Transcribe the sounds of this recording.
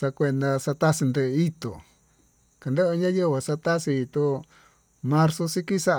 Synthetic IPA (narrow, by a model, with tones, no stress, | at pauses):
sa˧kʷe˧nd̪a˧sa˧t̪a˦si˧nd̪e˧i˦t̪o̰˨ | ka˨nd̪e˦ʔo˧ɲã˦jo˦˧βa˨sa˧t̪a˦si˧i˧t̪o˧ | mã˧ɾso˧si˦ki˦sa˦ʔ